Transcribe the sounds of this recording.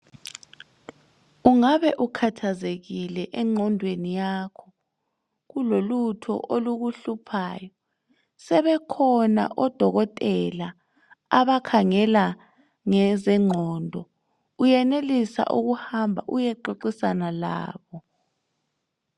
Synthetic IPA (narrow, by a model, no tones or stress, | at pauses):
uŋaβɛʔukʰatʰazeɣilɛʔɛŋ͡ǁʱɔndʱwenijaːkʰɔ | ɣulolutʰɔ̰ʔoluɣuɬupʰaːjɔ | sɛβɛkʰɔna̰ʔɔd̥ʱɔɣɔtʼɛla | aβakʰaŋɛla | ŋɛzɛŋ͡ǃʱɔːndʱɔ | ujɛnelisa̰ʔuɣuhambʱa̰ʔujɛǃoǃisanala̰ːβɔ